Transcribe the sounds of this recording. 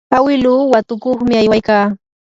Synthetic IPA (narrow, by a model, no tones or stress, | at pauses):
awɪluːwat̪ʊkoχmɪajwajkaː